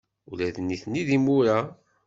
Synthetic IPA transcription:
ulæðənːiθnːiðimːuɾa

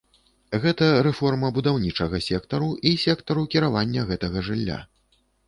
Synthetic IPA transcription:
ɣɛt̪ɐɾɛfɔrmɐbud̪awnʲit͡ʂɐɣɐsʲɛkt̪ɐɾuisʲɛkt̪ɐɾukʲiɾavanʲːɐɣɛt̪ɐɣɐʐɨlʲːa̰

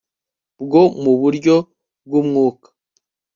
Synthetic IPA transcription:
bɡo̞muβuɾɟo̞ | b̚ɡumŋuːkḁ

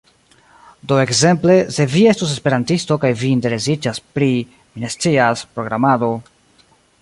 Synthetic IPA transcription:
do̞e̞kze̞mple̞se̞vie̞stus̬e̞spe̞ɾantisto̞kajviːnte̞ɾe̞sid͡ʒaspɾi | mine̞st͡siaspɾo̞ɡɾamado̞

